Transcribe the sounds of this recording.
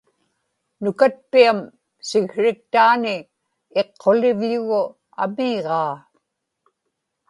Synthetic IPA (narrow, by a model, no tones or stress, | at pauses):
nʊkat̪̚piam | sɪɣɻɪk̚t̪aːnɪ | e̞qʰːolɪvʎʊɣʊ | a̰miːʁɑː